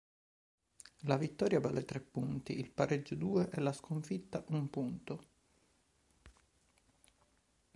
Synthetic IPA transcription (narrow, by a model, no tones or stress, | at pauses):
lavit̪ːɔːɾjabalet̪ɾepːunt̪iilpaɾed͡ʒːod̪uːeʔɛlaskoɱfit̪ːaʔumpunt̪o